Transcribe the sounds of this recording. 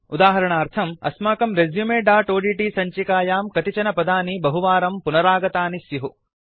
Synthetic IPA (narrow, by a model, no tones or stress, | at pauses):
ud̪aːɦɐɾɐɳaːɾt̪ʰɐmɐ̰smaːkɐmɾezjumeːɖaːʈoːɖiːʈiːsɐɲt͡ʃikaːjaːmkɐt̪it͡ʃɐnɐpɐd̪aːnibɐɦuʋaːɾɐmpunɐɾaːɡɐt̪aːnisjɐɦu